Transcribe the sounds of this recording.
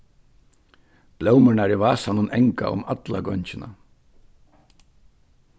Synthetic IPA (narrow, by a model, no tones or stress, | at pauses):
b̥lœwmœɳaɾiʋaːsanʊnɛŋka̰ʊ̰mat̪laɡɔɲt͡ʃɪna̰